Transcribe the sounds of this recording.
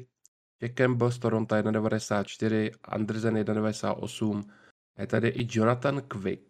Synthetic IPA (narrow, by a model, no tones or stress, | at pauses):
t͡ʃɛkɛmbɪls̬t̪oɾo̞nt̪ajɛdnadɛvadɛsaːt̪̚t͡ʃt̪ɪɾ̝ɪʔa̰nd̪r̩zɛnjɛdnadɛvadɛsa̰ːt̪ʔo̞̰sum | jɛt̪adɪʔɪd͡ʒo̞nat̪ankvɪ̰k